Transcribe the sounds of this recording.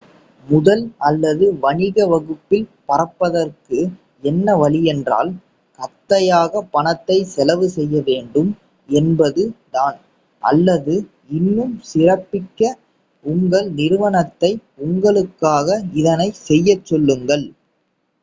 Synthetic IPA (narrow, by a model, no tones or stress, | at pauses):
mʊðɐlɐlːɐðɯʋɐɳɪɣɐʋɐɣɯpːɪlpɐɾɐpːɐðɐrkɯ | ɛnːɐʋɐlɪjɛndra̰ːl | kɐt̪ːɐjaːɣɐpːɐɳɐt̪ːɐɪsɛlɐʋɯsɛjːɐʋeːɳɖɯm | ɛnbɐðɯt̪aːn | ʔɐ̰lːɐðɯ | ɪnːɯmsɪrɐpːɪkːɐ | ʊŋɡɐɭnɪɾɯʋɐnɐt̪ːɐɪʊŋɡɐɭɯkːaːɣɐɪðɐnɐɪsɛjːɐt͡ʃːɔlːɯŋɡɐɭ